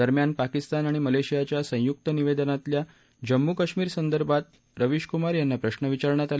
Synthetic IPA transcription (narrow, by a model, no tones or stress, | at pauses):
əɾmjanpakist̪anaɽ̃iməleɕijat͡ɕjasə̃juk̚t̪əniʋed̪ənat̪lja | d͡ʑəmːukəɕmiːɾsənd̪əɾbat̪ | ɾəʋiɕkumaɾjanːapɾəɕnəʋit͡ɕaɾɳjat̪al